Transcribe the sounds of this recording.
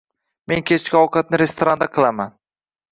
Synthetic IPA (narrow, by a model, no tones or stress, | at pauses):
me̞ŋkʲʰe̞t͡ʃʰkʲɪɒwkʰat̪̚nɪɾe̞st̪oɾand̪aqʰɨlˠaman